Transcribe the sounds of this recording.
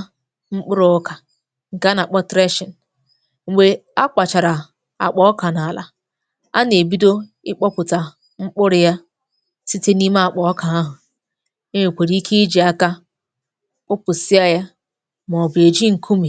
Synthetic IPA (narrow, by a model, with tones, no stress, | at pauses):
ŋ͡m̩˦k͡pʊ˦ɾʊ˦ka˨ | ŋ̩˨ka˦na˨k͡pɔ˦tɾe˦ʃɪ˨n̩˨ | ŋ͡m̩˨ɡ͡be˨a˦k͡pa˨t͡ʃa˨ɾa˨ | a̰˨k͡pɔ˦ɔ˦ka˨na˨la̰˨ | a̰˦ne˨bi˦do˦ | ɪ˦k͡pɔ˦pʊ˨ta˨ | ŋ͡m̩˦k͡pʊ˦ɾɪ˦ja˦ | si˦te˦ni˦ma˦a˨k͡pɔ˨ɔ˦ka˨a˦ɦʊ˨ | e˦me˨kʷe˨ɾi˦i˦kʰe˦d͡ʒi˨a˦ka˦ | k͡pʊ˦pʊ˨si˦a˦ja˦ | m˨ɔ˨be˨d͡ʒi˦ŋ̩˨kʰu˦mi˨